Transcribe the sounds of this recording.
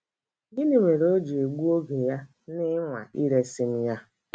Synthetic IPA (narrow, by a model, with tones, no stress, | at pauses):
ɡɪ˦nɪ˨me˨ɾo˦d͡ʒe˨ɡʷu˦o˦ɡe˨ja˦ | nɪ˦ŋʷa̰˨ʔi˦ɾe˦sɪ˦n̩˦ja˦